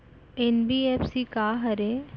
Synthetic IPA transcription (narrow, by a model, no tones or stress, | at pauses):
enbiepsikaɦɐɾe